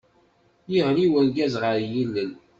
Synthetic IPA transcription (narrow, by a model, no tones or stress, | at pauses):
jiʁɾiwənɡæzʁəɾjilːən